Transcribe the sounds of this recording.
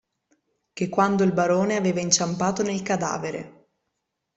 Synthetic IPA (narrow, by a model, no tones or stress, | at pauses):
kekːwand̪oilbaɾoːneaveːvaint͡ʃampaːt̪onelkad̪a̰ːveɾḛ